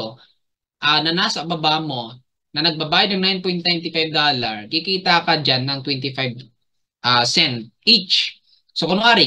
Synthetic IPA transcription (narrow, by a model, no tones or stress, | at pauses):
o | ʔanɐnaːsɐʔbɐbaʔmo̞ | nɐnɐɡ̚bɐbaːjɐd̪nɐŋnajnpojnt̪̚najnt̪ɪfajv̚d̪olɐɹkɪkiːt̪ɐkɐd͡ʒanːɐŋt̪wɛnt̪ɪfajb | ʔasɛnt̪̚ʔit͡ʃ | sokʊnʊaːɾɪ